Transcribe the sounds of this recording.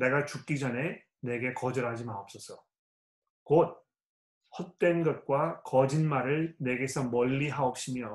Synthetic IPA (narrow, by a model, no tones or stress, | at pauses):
ne̞ɡat͡ɕuk͈id͡ʑʌne | ne̞ɡe̞kʌd͡ʑʌɾɦad͡ʑimaʌp̚s͈ʌsʰʌ | kot̚ | hʌt̚t͈we̞nɡʌt̚k͈wakʌd͡ʑinmaɾɯɭne̞ɡe̞sʰʌmʌʎːiɦaok̚ɕ͈imjʌ